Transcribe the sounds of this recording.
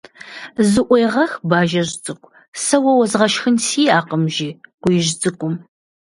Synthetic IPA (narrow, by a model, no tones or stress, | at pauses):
zɨʔʷɔjʁɐxbaːʒɐʒt͡sʼɨkʷʼ | sɐwɐwɐzʁɐʃxɨnsiːaːqəmʒiːqʷʊjɪʒt͡sʼɨkʷʼʊm